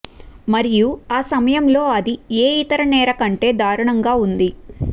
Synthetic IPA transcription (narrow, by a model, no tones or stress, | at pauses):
mɐɾijuaːsɐmɐjɐmlo̞ːɐd̪ieːit̪ɐɾɐnɛːɾɐkɐɳʈe̞ːd̪ʱaːɾuɳɐŋɡaːund̪i